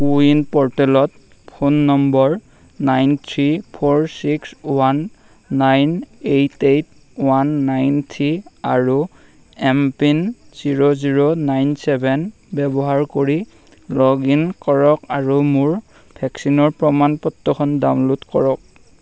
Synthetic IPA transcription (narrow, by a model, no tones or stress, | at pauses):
puinpɔɹtɛlɔt̚ | pʰonːɔmbɔɹ | najntʰɹipʰɔɹsikswanː | ajnejtejt | wanːajntʰɹiaɹu | ɛmpinz̥iɹoziɹonajnsɛbʱɛn | bɛbɔɦaɹkoɹi | lɔɡinkɔɹɔkaɹumʊɹ | bʱɛksinɔɹpɹɔmanpɔtːɔkʰɔndamlutkɔɹɔk̚